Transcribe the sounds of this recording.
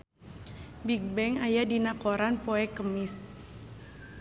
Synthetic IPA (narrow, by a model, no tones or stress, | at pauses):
bik̚bɛŋajadinakoɾanpoɛkəmis